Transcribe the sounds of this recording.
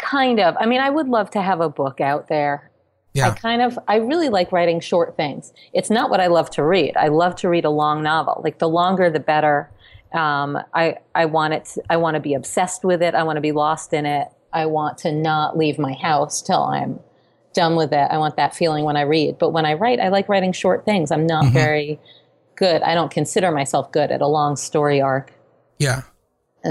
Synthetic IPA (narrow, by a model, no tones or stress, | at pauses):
kʰãɪ̃ndʌvaɪmĩnaɪwədˡlʌv̥tʰɨːvəbʊkaʊt̪̚ðə˞ | jaɪkʰãɪ̃ndʌvaɪɹɪlˠilaɪkɹaɪɾɪ̃ŋʃɔɹt̪̚θɪ̃ŋz̥ | ɨtsnəʔ̚wʔʌɾaɪlʌv̥tʰɨɹiɾa̰ɪlʌv̥tʰɨɹiɾəlɔ̃ŋnɑvl̩ˠla̰ɪk̚ðəlɔ̃ŋɡə˞ðɨbɛɾə˞ | ʔʌ̃mʔa̰ɪʔaɪwɑ̃ɾ̃ɨtʰaɪwɑ̃nɨbiɨb̥sɛst̚wɨðɪɾaɪwɑ̃nɨbilɔstɨ̃nɪt̚ | ʔaɪwɑ̃ntʰɨnəʔˡlivmaɪhaʊstʰɪ̰lˠã̰ɪ̃m | d̥ʌ̃nwɪðɪta̰ɪwɑ̃nðɨtfilˠɪ̃ŋwə̃ɾ̃aɪɹid̚b̥ʌt̚wə̃ɾ̃aɪɹaɪɾa̰ɪlaɪkɹaɪɾɪ̃ŋʃɔɹt̪̚θɪ̃ŋzãɪ̃mnət̚vɛɹi | ɡ̥ʊɾa̰ɪɾõʊ̃nkʰɨ̃nsɪɾə˞maɪsɛlˠfɡ̥ʊɾɨ̰ɾəlɔ̃ŋstɔɹiɑɹk | jæ